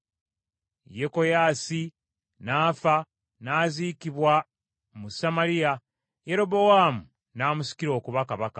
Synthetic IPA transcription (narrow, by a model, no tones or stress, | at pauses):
jeko̞jaːsi | naːfa | naːziːkiβwa | musamalija | je̞ɾo̞bo̞waːmu | naːmusi̥kiɾo̞ːkuβakaβaka